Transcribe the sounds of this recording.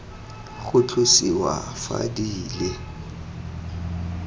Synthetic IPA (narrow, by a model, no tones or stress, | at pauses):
ɣʊt͡ɬʰʊsiwa̰fa̰diːle